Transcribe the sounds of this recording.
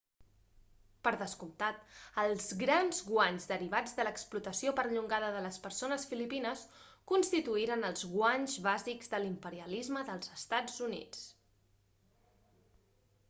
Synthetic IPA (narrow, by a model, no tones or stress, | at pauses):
pəɾðəskumt̪at̪əlˠzɣɾanzɣwaɲzðəɾiβad͡zðələksplut̪əsiopəɾʎuŋɡaðəðələspəɾsonəsfilipinəs | kunst̪it̪uiɾənəlˠzɣwaɲzβaziɡzðəlimpəɾiəlizməðəlˠzəst̪ad͡zunḭt͡s